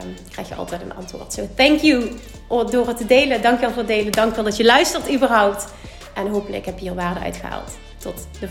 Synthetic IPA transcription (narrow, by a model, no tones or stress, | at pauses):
mkrɛ̰jxjəɑ̰lˠtɛjtənɑ̰ntʋʊ̰ːɹtsoθɛŋkju | dʊːɹɦətədejlədɑŋkʋɛlˠvʊːtədejlədɑŋkʋɛlˠdɑtjəlœɥstərtybərɦʌwp̚t | ʔɛnɦowpənləkɪ̰kɦɛpiːrʋaːɹdəœ̰ɥtxəɦa̰ːlˠtː | ɔtdə